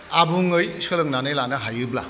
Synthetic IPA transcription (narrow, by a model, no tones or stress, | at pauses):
abuŋɯjsɯlɯŋnanɯjlanɐɦajɯbla̰